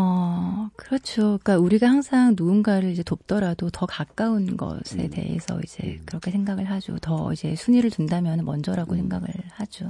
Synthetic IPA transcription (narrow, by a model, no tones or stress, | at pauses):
ʌkɯɾʌt͡ɕʰoik͈auɾiɡahaŋsʰaŋnuːnɡaɾɯɭid͡ʑe̞top̚t͈ʌɾadotʌkak͈aunɡʌ̰sʰe̞̰de̞̰e̞̰sʰʌ̰id͡ʑe̞̰kɯɾʌkʰe̞sʰeŋɡaɡɯɭɦad͡ʑo̰tʌid͡ʑe̞sʰuɲiɾɯɭtundamjʌnɯnmʌnd͡ʑʌɾaɡosʰeŋɡaɡɯ̰ɭhad͡ʑo